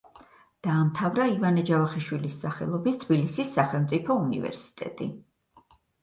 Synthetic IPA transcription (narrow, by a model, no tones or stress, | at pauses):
d̪̥aːmt̪ʰavɾaivanɛd͡ʒavaχiʃwilisːaχɛ̰lˠɔbist̪ʰbilisisːaχɛlˠmt̪sʼipʰɔunḭvɛ̰ɾsi̥t̪ʼɛ̰t̪ʼḭ